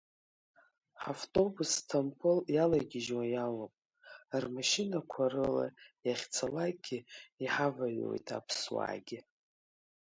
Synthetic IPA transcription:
ħaftʼo̞bustʰompʰʼɨljalajɡʲɪʒwajalopʼ | rmaʃɪnakʷʰaɾɨla̰jaχʲt͡sʰalaɡʲɪiħavaɥwo̰jtʰʼa̰pʰswa̰ːɡʲɪ

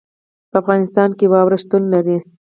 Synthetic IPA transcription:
pəafɣɑnɪst̪ɑnkewɑwɾaʃt̪unlaɾi

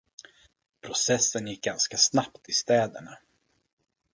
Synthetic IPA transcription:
pʰɾʊsɛsːənjɪk̚ɡanskasnapt̪ɪst̪ɛːd̪ə̰ɳa

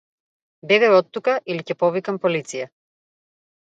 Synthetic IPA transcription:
bɛɡajɔt̪ːukaʔilicɛpɔvikampɔlit̪sija

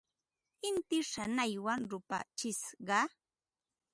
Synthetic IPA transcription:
ɪnt̪ɪʂanajwaŋɾʊpa̰t͡ʃɪsɢɑ

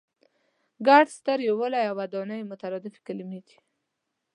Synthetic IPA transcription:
ɡaɖst̪əɾjowəlajawad̪ɑnəjmʊt̪aɾɔd̪ɪfi̥kɪlimid̪i̥

